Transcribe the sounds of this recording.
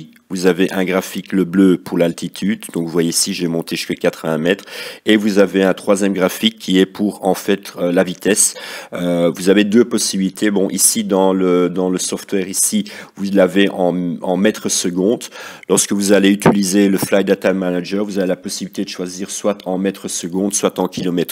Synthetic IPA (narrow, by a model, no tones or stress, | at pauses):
vuzaveʔɛ̃ɡʁafikləbløpuʁlalt̪it̪ʰyd̪d̪ɔ̃kvvwajesiʒemɔ̃t̪eʒy̥skakat̪χəvɛ̃mɛt̪χevuzaveɛ̃t̪χwazjɛmɡʁafikʰːiɛpʰuʁɑ̃fɛt̪ølavit̪ɛsøvuzaved̪øpɔsibilit̪ʰebɔ̃ʔisid̪ɑ̃ləd̪ɑ̃ləsɔft̪wɛʁisivulaveʔɑ̃ɑ̃mɛt̪χəsəɡɔ̃ːd̪lɔʁskəvuzaleyt̪ilizeləflajd̪at̪almanaʒɛʁvuzavelapɔsibilit̪ed̪əʃwaziːʁswat̪ʰɑ̃mɛt̪χəsəɡɔ̃d̪swat̪ɑ̃kʲilɔmɛt̪χ